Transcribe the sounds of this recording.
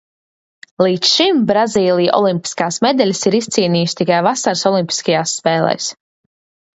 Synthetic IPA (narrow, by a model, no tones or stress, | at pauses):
lˠiːt̪sʃimbɾaziːlˠijɔ̰lˠimpi̥skaːsmɛd̪ɛlʲsiɾist̪siːɛniːjust̪ikajvasaɾsɔlˠimpʲi̥skajaːsːpɛːlˠɛ̰js